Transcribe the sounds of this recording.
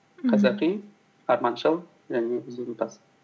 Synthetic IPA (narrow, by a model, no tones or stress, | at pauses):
qʰɑzɑqi | ɑɾmɑnʃəlˠ | ʒæneʊzunpɑs